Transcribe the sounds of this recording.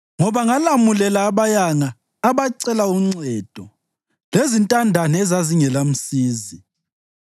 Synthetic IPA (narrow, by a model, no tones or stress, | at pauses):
ŋɔβaŋalamulɛlaːβajaŋaː | βaǀɛlauŋ͡ǀɛd̥ʱɔ | lezintʼandʱanɛɛzaziŋɛlam̩siːzi